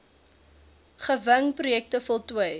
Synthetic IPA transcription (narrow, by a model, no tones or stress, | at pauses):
χəvəŋprujɛk̚təfɔlˠtwəəj